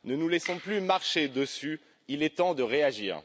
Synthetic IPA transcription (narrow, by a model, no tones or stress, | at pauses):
nənulɛsɔ̃plymaʁʃed̪əsy | ilɛt̪ɑ̃d̪əʁeaʒḭːʁ